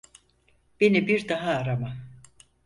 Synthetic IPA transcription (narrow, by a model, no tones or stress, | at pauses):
b̥e̞nibiɾd̪aɦaːɾama